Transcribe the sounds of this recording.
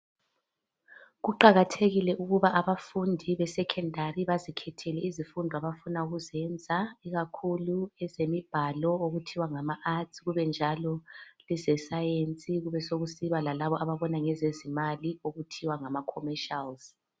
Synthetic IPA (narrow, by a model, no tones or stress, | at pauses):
ɣuǃaɣatʰeɣilɛʔuɣuβaʔaβafundʱiβɛsɛkʰɛndʱariβazikʰɛtʰɛlɛizifundʱaβafunauɣuzɛnd͡zʱaiɣakʰuluɛzemib̥ʱalɔoɣutʰiwaŋamaʔatʰiɣuβɛnd͡ʒʱalɔlɛzɛsajent͡sʼiɣuβɛsoɣusiβalalaβɔʔaβaβɔnaŋɛzezimalioɣutʰiwaŋamakʰɔmɛʃalz̥